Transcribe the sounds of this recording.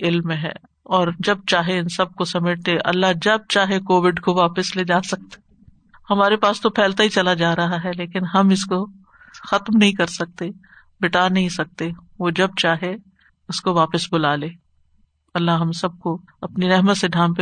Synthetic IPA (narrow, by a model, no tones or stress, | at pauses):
ɪlmẽɦɛ̰ː | ɔːɾd͡ʒɐb̚t͡ʃaːɦeɪnsɐb̚kosɐmeːʈ̚t̪eʔɐ̰lːaɦd͡ʒɐb̚t͡ʃaːɦekoːʋɪɖkoʋaːpəsleːd͡ʒaːsɐk̚t̪e̥ | hɐmaːɾepaːst̪opʰɛːlt̪aɦit͡ʃɐlad͡ʒaːɾɐɦaɦɛleːkɪnɦɐmɪsko | xɐt̪mnɐɦĩkɐɾsɐk̚t̪e | bɪʈaːnɐɦĩsɐk̚t̪e | ʋod͡ʒɐb̚t͡ʃaːɦe | ʊskoʋaːpəsbʊlaːleː | ɐlːaɦɦɐmsɐb̚ko | ɐpniɾɛɦmət̪seɖʱãːmp